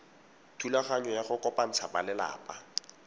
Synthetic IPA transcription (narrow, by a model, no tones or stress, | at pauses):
tʰulaχaɲɔjaχʊkʼɔpʼan̩t͡sʰabalɪla̰ːpʼa